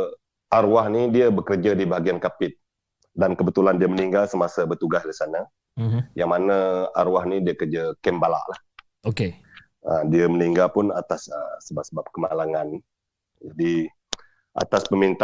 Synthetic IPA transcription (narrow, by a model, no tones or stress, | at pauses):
ʔaɾuwahnidiəbəkərd͡ʒadibaɦaɡiankapɪt̪̚ | dankəbət̪ulandiəməniŋɡalsəmasəbərt̪uɡasdisanə | jaŋmanəa̰ɾwahnidiəkərd͡ʒakɛmbala̰ʔlah | oke | ədiəməniŋɡalpʊnat̪asə̰səbap̚səbap̚kəmalaŋan | d͡ʒadi | ʔa̰t̪aspəmint̪